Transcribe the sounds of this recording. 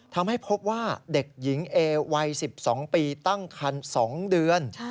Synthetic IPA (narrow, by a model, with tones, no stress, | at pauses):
t̪ʰa˧mha˥˩jpʰo˦˥p̚waː˥˩de˨˩k̚ji˩˦ŋʔeː˧wa˧jsi˨˩p̚sɔː˩˦ŋpiː˧t̪a˥˩ŋkʰa˧nsɔː˩˦ŋdɯ˧ən